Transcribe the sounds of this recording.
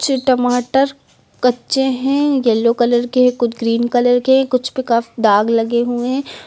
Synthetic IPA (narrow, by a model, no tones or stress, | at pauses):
t͡ʃʈɐmaːʈəɾ | kɐtːʃẽɦɛ̃ːjɛlːokɐləɾkeɦɛ̃kʊt͡ʃʰɡɾiːnkɐləɾkeɦɛ̃kʊt͡ʃʰbikaːfid̪aːɡlɐɡeɦuẽ